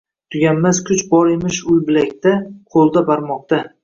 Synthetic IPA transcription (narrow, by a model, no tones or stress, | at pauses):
t̪ʰʊɡʲanmazkʲʰʊt͡ʃbɒɾemɪʃʊlbɪlak̚ʲt̪ʰaqʰolˠd̪abaɾmɒq̚t̪a